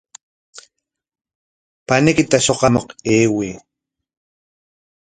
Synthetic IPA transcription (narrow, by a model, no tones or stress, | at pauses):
panɪkɪt̪aʃoqɑmoqeːwiː